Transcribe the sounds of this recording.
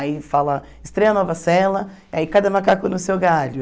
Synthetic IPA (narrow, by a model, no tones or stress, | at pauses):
ifalɐ | ɪst̪ɾɛjɐnɔvɐsɛlɐ | iaikad̪ɐmakakʊnʊsewɡaʎʊ